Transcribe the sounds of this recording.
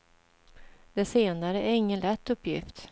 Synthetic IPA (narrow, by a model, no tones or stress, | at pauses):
d̪̥ɛseːnaɾəæɾɪŋːənlɛt̪ːɵpːjɪ̰ft̪